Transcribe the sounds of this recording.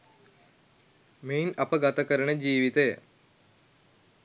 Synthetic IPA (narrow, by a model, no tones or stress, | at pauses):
meinɐpəɡat̪akəɾənəd͡ʑiːʋit̪əjə